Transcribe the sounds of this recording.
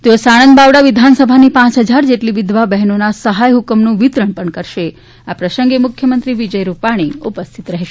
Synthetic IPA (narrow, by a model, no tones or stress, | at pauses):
t̪eosaɽ̃ənd̪baʋɽaʋid̪ʱansəbʱanipãt͡ʃɦəd͡ʒaɾd͡ʒeʈliʋid̪ʋabɛɦnonasəɦajɦukəmnũʋit̪ɾəɳpəɳkəɾʃe | apɾəsəŋɡemʊkʰjəmənt̪ɾiʋid͡ʒəjɾupaɽ̃iupəst̪ʰit̪ɾəɦʃe